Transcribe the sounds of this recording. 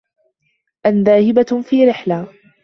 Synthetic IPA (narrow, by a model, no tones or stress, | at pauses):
ʔanðaːhɪbafiːɾɪħla